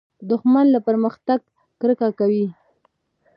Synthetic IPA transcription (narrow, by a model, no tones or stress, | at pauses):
d̪ʊxmanlapəɾməxt̪aɡ | kɾəkakawi